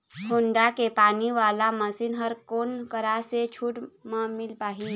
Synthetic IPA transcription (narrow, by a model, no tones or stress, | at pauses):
hoɳɖakepaːniʋaːlaməsinɦəɾkoːnkəɾaset͡ʃʰuːʈməmɪlpaːɦi